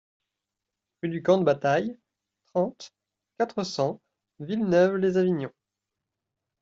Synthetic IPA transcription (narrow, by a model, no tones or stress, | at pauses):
ʁyd̪ykɑ̃d̪əbat̪aj | t̪χɑ̃t̪ | kat̪χəsɑ̃ | vilnœvlezaviɲjɔ̃